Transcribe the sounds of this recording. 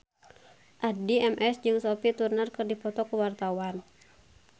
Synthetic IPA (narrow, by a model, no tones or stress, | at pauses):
ʔadiɛmʔɛsd͡ʒɨŋsɔpit̪urnərkɨrdipɔt̪ɔkəwart̪awan